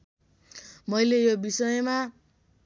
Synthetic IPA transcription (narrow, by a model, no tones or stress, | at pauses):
mʌjlejobisʌjʌma